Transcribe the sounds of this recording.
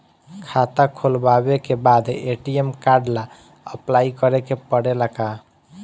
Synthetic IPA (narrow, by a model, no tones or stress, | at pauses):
kʰat̪akʰolbabekebad̪eʈiemkaɾɖla | ə̰plaikəɾekepəɽelaka